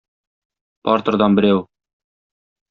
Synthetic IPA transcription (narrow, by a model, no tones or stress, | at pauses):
pɒɾt̪ɤ̆ɾd̪ɑnbɘ̆ɾæw